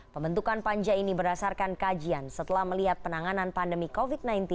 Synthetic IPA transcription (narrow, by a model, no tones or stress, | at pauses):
pəmbənt̪ukanpaɲd͡ʒainibərdasarkankad͡ʒiansət̪əlahməliɦat̪̚pənaŋananpandəmikofit̪̚najnt̪i